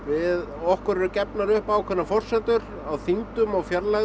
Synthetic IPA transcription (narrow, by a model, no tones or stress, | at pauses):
vɪðɔhkʏɾɾʏcɛpnaɾʏhpawkʰvɛnːafɔr̥sɛt̪ʏɾ | awθiŋt̪ʏmawfjɛɾla